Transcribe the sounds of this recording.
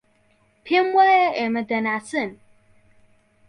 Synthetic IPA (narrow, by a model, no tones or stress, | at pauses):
pʰemwaeemədənasɨn